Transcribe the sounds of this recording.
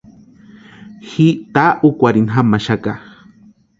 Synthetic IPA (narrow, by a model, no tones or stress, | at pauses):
xit̪aʔukʷaɾinɦamaʃaka